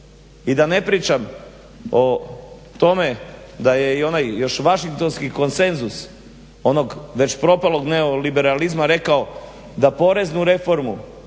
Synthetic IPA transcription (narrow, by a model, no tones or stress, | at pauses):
id̪ane̞pɾiːt͡ʃam | o̞t̪o̞me̞d̪aje̞io̞najjo̞ʃʋaʃiŋk̚t̪o̞nskiko̞nse̞nzus | o̞no̞ɡʋe̞t͡ɕpɾo̞palˠo̞ɡneo̞libe̞ɾalizmaɾe̞kao | d̪apo̞ɾe̞znuɾe̞fo̞ɾmu